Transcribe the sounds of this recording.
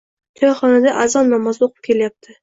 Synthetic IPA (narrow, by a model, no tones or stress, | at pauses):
t̪ʰɒjɑχɒnad̪aʔazɒnːɒmɒzoqɨ̥p̚kʲʰe̞ljap̚t̪ʰɪ